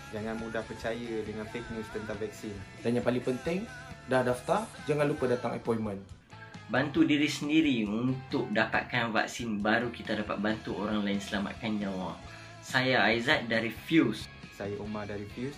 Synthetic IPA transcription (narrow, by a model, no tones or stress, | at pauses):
d͡ʒaŋanmudahpət͡ʃajədəŋãnfɛk̚nist̪ənt̪aŋvɛk̚sindanjãpalipənt̪ɪŋ | dahdaft̪ar | d͡ʒaŋãnlupədat̪aŋɛ̰pɔjmə̃n | bant̪udiɾisəndiɾiunt̪ʊk̚dapa̰t̪̚kanva̰k̚sinbaɾukit̪adapa̰t̪̚bant̪uoɾaŋlaɪnsəlama̰t̪̚kand͡ʒawa | sajaːjzat̪̚daɾifjus | sajaʔumadaɾifus